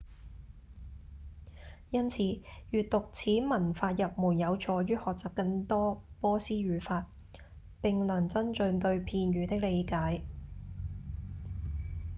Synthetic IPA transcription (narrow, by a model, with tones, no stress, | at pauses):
jɐ˥nt͡sʰiː˨˧ɥyː˨t̚t̪ʊ˨k̚t͡sʰiː˨˥mɐ˨˩nfaː˧t̚jɐ˨p̚muː˨˩njɐ˨˧wt͡ʃʰɔː˨˧jyː˥hɔː˨k̚t͡saː˨p̚kɐ˧ŋt̪ɔː˥pɔː˥siː˥ɥyː˨faː˧t̚ | pɪ˨ŋlɐ˨˩ŋt͡sɐ˥nt͡sɵ˧ŋt̪ɵ˧ɥpʰiː˧nɥyː˨˧t̪ɪ˥k̚le˨˧jkaː˨˥j